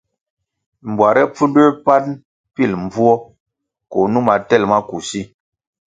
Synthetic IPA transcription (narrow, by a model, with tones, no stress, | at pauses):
m˨bwa˨ɾɛ˦p͡fu˦nde˦pa˦n | pi˦˨lmb͡vu˦ɔ˦ | ko˨nu˦ma˨tɛ˦lma˦ku˨si˦